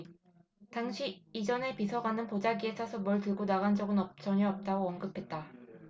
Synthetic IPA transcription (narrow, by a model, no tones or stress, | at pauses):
taŋɕʰiːd͡ʑʌne̞pisʰʌɡanɯnpod͡ʑaɡiesʰasʰʌmwʌɭtɯɭɡonaɡand͡ʑʌɡɯnʌt͡ɕ͈ʌɲʌʌp̚t͈aɡoʌnɡɯpʰe̞t̚t͈a